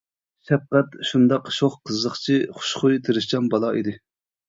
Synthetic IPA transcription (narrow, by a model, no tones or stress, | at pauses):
ʃɛp̚qɛt̪ʃund̪ɑqʃoχqʰəzːəχt͡ʃʰiχʊ̥ʃχʊjt̪ʰeɾɪʃt͡ʃɑnbɑlˠɑid̪ɪ